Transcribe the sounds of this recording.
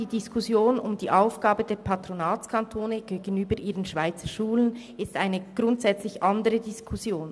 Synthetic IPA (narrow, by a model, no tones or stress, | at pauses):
d̥iːdiskʰʊsjoːnʊmdiːʔaʊfɡ̥aːbədeːɐpʰatʁonaːt͡skʰantʰoːnəɡ̥eːɡən̩yːbəɾʔiːʁənʃv̥aɪt͡səʃuːlən | ɪstʔaɪnəɡ̥ʁʊntz̥ɛt͡slɪçʔandəʁədɪskʰʊsjoːn